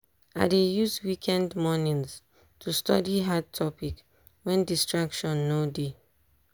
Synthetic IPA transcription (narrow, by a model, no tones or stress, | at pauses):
a̰ɪdejuswikʰɛ̃ndmɔnĩns | tʰustɔdiɦad̚tʰɔpik | wɛ̃ndistɹakʃɔ̃nːode